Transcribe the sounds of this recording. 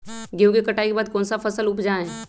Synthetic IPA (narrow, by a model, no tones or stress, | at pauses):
ɡeũkekɐʈʰaːikebaːd̪̚kɔ̃ːnsafɐsəlʊpd͡ʒaɦɛ̃